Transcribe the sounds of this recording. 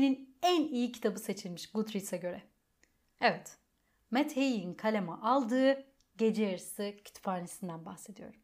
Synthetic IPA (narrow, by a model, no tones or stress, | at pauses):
ninænijicʰi̥t̪ʰabɯse̞t͡ʃʰilʲmiʃɡut̪ɾisaɟø̞ɾɛ | evɛt̪ | mɛt̪hejiinkʰalʲemaʔalˠd̪ɯː | ɟe̞d͡ʒejaɾɯsɯcʰy̥t̪faːɾnesind̪ænbaxse̞d̪ijo̞̰ɾum